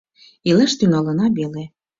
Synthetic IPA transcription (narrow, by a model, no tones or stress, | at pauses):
ilə̆ʃt̪ynɑlɤ̆nɑbele